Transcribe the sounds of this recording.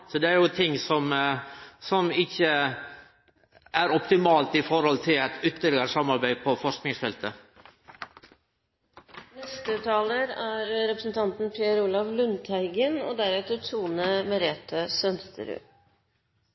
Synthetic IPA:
sɔd̪ɛæɾjʊt̪ʰɪŋːsɔm | sɔmɪçə | ʔæɾɔpt̪ɪmɑːlt̪ɪfɔɾhɔlt̪ʰɪlæt̪ʏt̪ːəlɪɡəɾsɑmːɑɾbæɪpʰɔfɔʂknɪŋsfɛlt̪ə | nɛst̪ət̪ʰɑːləɾæɾɾɛpɾəsn̩t̪ʰɑnt̪n̩pʰjeɾuːlɑʋlʉnt̪ʰæɪɡəno̰ːd̪æɾɛt̪əʈʰuːnəmɛɾeːt̪ʰəsœnst̪ʰə̰ɾʉ̰ː

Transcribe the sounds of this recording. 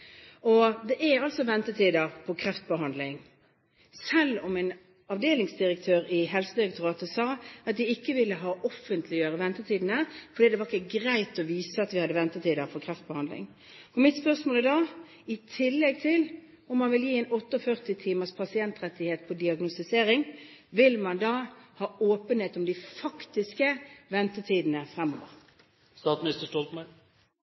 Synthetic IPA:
ɔd̪ɛʔɛɑlsɔʋɛnt̪ət̪ʰiːd̪əpʰɔkʰʁɛft̪̚bəɦɑnd̪lɪŋ | sɛlːɔmæɪn | ɑʋd̪eːlɪŋsd̪ɪʁək̚t̪ʰøːɾɪɦɛlsəd̪ɪɾɛk̚t̪ʰʊɾɑːt̪əsɑːɑt̪̚d̪ɪɪkːəʋɪlːəɦɑːʔɔfənt̪ʰlɪjøːɾəʋɛnt̪ət̪ʰiːd̪n̩əfɔɾɖ̪iːd̪ɛʋɑʁɪkːəɡɾæɪt̪ɔʋiːsəɑt̪ʋɪhɑd̪ːəʋɛnt̪ət̪ʰiːd̪əfɔkʰʁɛft̪̚bəhɑnd̪lɪ̰ŋ | ɔmɪt̪spœʁsmoːləd̪ɑː | ɪt̪ʰɪlːɛɡt̪ʰɪl | ɔmːɑnʋɪljiːɛɪnɔt̪ːəɔfœʁt̪ɪt̪ʰiːməʁspʰɑsɪɛnt̪ʁɛt̪ːɪheːt̪̚pʰɔd̪ɪɑɡnʊst̪ɪseːɾɪŋ | ʋɪlmɑnd̪ɑːhɑːoːpənheːt̪ʊmd̪ɪfɑkt̪ɪskəʋɛnt̪ət̪ʰiːd̪ənəfʁɛmːo̰ːʋə̰ʁ | st̪ɑːt̪mɪnɪst̪əʂʈɔlt̪mə

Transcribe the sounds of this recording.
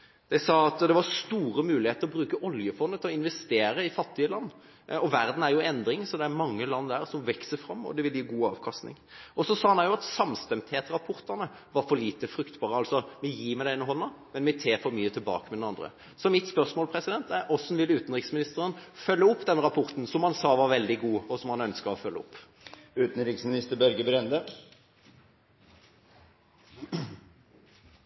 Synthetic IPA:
d̪̥æɪsɑːɑt̪d̪ɛʋɑɾst̪uːɾəmʉːlɪheːt̪əɾɔbɾʉːkəʔɔljəfɔnd̪ət̪ʰɪlɔɪnʋɛst̪eːɾəɪfɑt̪ːɪəlɑnː | ɔʋæɾd̪n̩æɾjʊɛnd̪ɾɪŋsɔd̪ɛæɾmɑŋːəlɑnːd̪æːɾsɔmʋɛksəɾfɾɑmːɔ̰d̪ɛʋɪljiːɡuːɑ̰ːʋkʰɑst̪nɪ̰ŋɔsɔsɑːɑnæjʊɑt̪sɑmst̪ɛmt̪heːt̪ɾɑpʰɔɾt̪əʁnə | ʋɑɾfɔɾliːt̪əfɾʉkt̪bɑːʁəɑlsɔmɪjiːmæɪɛːnəɦɔnːɑmɛnmɛt̪ʰeːɾfɔɾmyːət̪ʰɪlbɑ̰ːkəmɛd̪ɛnɑnd̪ɾə̰ | sɔmɪt̪spœʁsmoːlpʰɾɛsɪd̪ɛnt̪æʔɔsnʋɪlːʉːt̪n̩ʁɪksmɪnɪst̪əɾənfœlːəʊpːd̪ɛnɾɑpʰɔɾt̪n̩sɔmhɑnsɑːʋɑɾʋɛld̪ɪɡuːɔsɔmhɑnœnskəɾɔfœlːəɔpː | ʉːt̪n̩ɾɪksmɪnɪst̪əɾbæɾɡəbɾɛnd̪ə

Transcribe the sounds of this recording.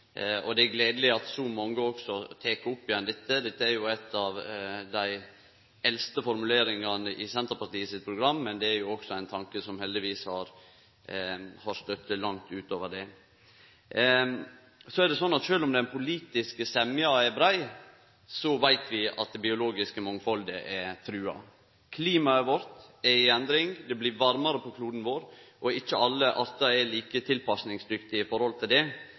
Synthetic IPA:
ɔ̰d̪ɛæɡleːd̪əlɪɑt̪sɔmɑŋːəɔksɔt̪ʰeːkəɾʊpːɪjɛnd̪ɛt̪ːəd̪ɛt̪ːəæɾjʊɛt̪ːɑʋd̪æɪ | ɛlst̪əfɔɾmʉleːɾɪŋɑnəʔɪsɛnt̪əɾpɑʈ̪iːəsɪt̪̚pʰɾʊɡɾɑmːɛnd̪ɛæɾjʊɔksɔæɪnt̪ʰɑŋkəsɔmhɛld̪ɪʋiːshɑɾ | hɑɾst̪œt̪ːəlɑŋt̪ʉːt̪oːʋəɖɛ | sɔɛd̪ɛsɔnːɑt̪ʃøːlɔmd̪ɛnpʰʊliːt̪ɪskəsɛmɪɑɛɾbɾæɪ | sɔʋæɪt̪ʰʋɪɑ̰t̪̚d̪ɛbɪʊloːɡɪskəmɑŋːfɔld̪əʔɛt̪ʰɾʉːɑ̰ | kʰliːmɑɛʋɔɾt̪ɛɾɪɛnd̪ɾɪŋd̪ɛblɪʋɑɾmɑɾəpʰɔkʰluːd̪n̩ʋoːɾʔɔɪçːəɑlːəʔɑɾt̪ɑɛliːkət̪ʰɪlpɑsnɪŋsd̪ʏkt̪ɪɪfɔɾhɔlt̪ʰɪld̪ɛ

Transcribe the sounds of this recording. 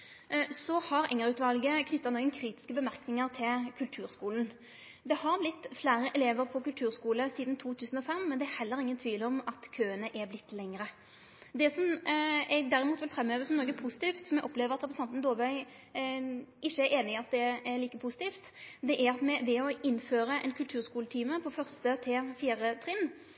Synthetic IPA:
sɔhɑʁɛŋəɾʉːt̪ʋɑlɡəkʰnʏt̪ːɑnɔːɡənkʰɾiːt̪ɪ̥skəbəmæʁknɪŋəʁt̪ʰɪlkʰʉlt̪ʰʉːɾskuːln̩ | d̪ɛhɑʁblɪt̪ːflæːɾəʔɛleːʋəʁpʰɔkʉlt̪ʰʉːʁskuːləsiːd̪nt̪ʰuːt̪ʰʉːsn̩ɔfɛmːɛnd̪ɛæɾhɛlːəɾɪŋːənt̪ʰʋiːlɔmɑt̪kʰøːənəʔɛblɪt̪ːlɛŋːəɾə | d̪ɛsɔmɛɡ̚d̪æɾɪmuːt̪ʋɪlfɾɛmːøːʋəsɔmnɔːɾɡəpʰʊsɪ̥t̪iːft̪sɔmɛɡʔɔpleːʋəʁɑt̪ʁɛpɾst̪ɑnt̪nd̪oːʋœʏ | ɪʃːəæeːnɪɪɑt̪̚d̪ɛæliːkəpʰʊsɪ̥t̪iːft̪d̪ɛʔæɾɑt̪mɛʋɛɔɪnːføːɾəʔɛnkʰʉlt̪ʰʉːʁskuːlət̪ʰiːməpʰɔfœʁst̪ət̪ʰeːfiːɾət̪ʰʁɪnː

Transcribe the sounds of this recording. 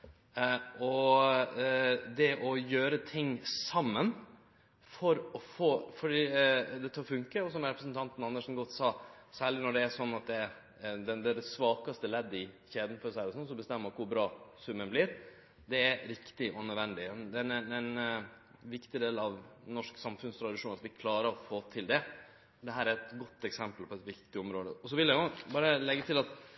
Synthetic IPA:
ɔ | d̪ɛʔɔjøːɾət̪ʰɪŋːsɑmːən | fɔɾɔfoːfɔɖiːd̪ɛt̪ʰɑːɾfʉŋkəɔsɔmɾɛpɾəsənt̪ʰɑnt̪n̩ɑnːəʂnɡɔt̪sɑːsæːɭɪnɔɖɛæʂɔnːɑt̪̚d̪ɛ | d̪ɛnd̪ɛd̪ɛsʋɑːkɑst̪əlɛd̪ːɪçeːd̪n̩fɔʂæɪɔsɔnːs̬ɔbəst̪ɛmːəmɑkʊɾbɾɑːsʉmːənblɪɾ | d̪ɛæɾɪkt̪ɪʔɔnœd̪ʋɛnd̪ɪd̪ɛnɛn | ʋɪkt̪ɪd̪eːlɑʋnɔʂksɑmfʉnst̪ʰɾɑd̪ɪʂuːnɑt̪ʋɪkʰlɑːɾəɾɔfoːt̪ʰɪld̪ɛ | d̪ɛɦæːɾæɾɛt̪ɡɔt̪ːɛksɛmpəlpʰɔɛt̪ʋɪktt̪ɪɔmɾoːd̪əɔs̬ɔʋɪljæʊbɑːɾəlɛɡːət̪ʰɪlɑt̪

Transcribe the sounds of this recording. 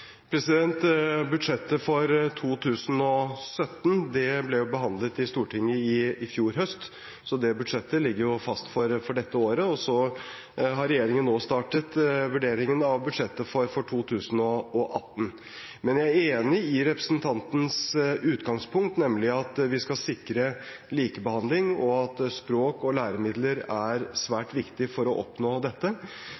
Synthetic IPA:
pʰɾɛsɪd̪ɛnt̪bʉd̪ʂɛt̪ːəfɔɾt̪ʰuːt̪ʰʉːsn̩ɔsœt̪ːnd̪ɛblɛjʊbəɦɑnd̪lət̪ɪst̪uːʈɪŋːəɪɪfjuːɾɦœst̪ | sɔd̪ɛbʉd̪ʂɛt̪ːəlɪɡːəɾjʊfɑst̪fɔɾfɔɖɛt̪ːəoːɾəɔsɔ | ɦɑɾɛjeːɾɪŋənːoːst̪ɑːʈət̪ʋʉɖeːɾɪŋənɑʋbʉd̪ʂɛt̪ːəfɔɾfɔʈʰuːt̪ʰʉːsənɔɔʔɑ̰t̪ːn | mɛnjæɪæɾeːnɪɪɾɛpɾə̥snt̪ʰɑnt̪n̩sʉːt̪ɡɑŋspʰʊŋkt̪nɛmlɪɑt̪ʋɪskɑsɪkɾəliːkəbəhɑnd̪lɪŋɔɑt̪spɾoːkɔlæːɾəmɪd̪ləɾæɾsʋæːʈʋɪkt̪ɪfɔɾɔʔɔpnoːd̪ɛt̪ːə

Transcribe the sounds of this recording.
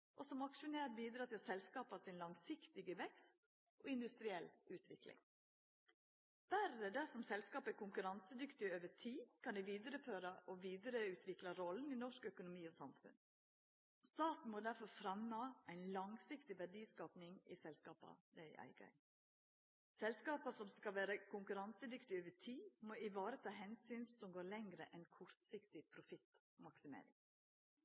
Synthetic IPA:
ʔɔsɔmɑkʂʉneːɾbiːd̪ɾɑːt̪ʰɪlsɛlskɑːpɑsɪnlɑŋsɪkt̪ɪɡəʋɛkst̪ | ʔɔɪnd̪ʉst̪ɾɪɛlʉːt̪ʰʋɪklɪ̰ŋ | b̥æɾəd̪æsɔmsɛlskɑːpəkʰʊŋkʉɾɑnsəd̪ʏkt̪ɪøːʋətʰiːkʰɑnd̪ɪʋiːd̪əɾəføːɾɑʔɔʋiːd̪əɾəʉːt̪ʰʋɪklɑɾɔln̩ɪnɔʂkœkʊnʊmiːɔsɑmfʉ̰nd̪ | st̪ɑːt̪n̩moːd̪æɾfɔɾfɾɑmnɑæɪnlɑŋsɪkt̪ɪʋæɖiːskɑːpnɪŋɪ̰sɛlskɑːpɑ̰d̪æɪʔæ̰ɪɡɑ̰ | sɛlskɑːpəsɔmskɑʋæːɾəkʰʊŋkʉɾɑnsəd̪ʏkt̪ɪøːʋətʰiːmoːɪʋɑːɾət̪ʰɑːɦɛnsyːnsɔmɡoːɾɭɛŋɾəʔɛnkʰɔɾt̪sɪkt̪ɪpʰɾʊfɪt̪ | mɑksɪmḛːɾɪ̰ŋ

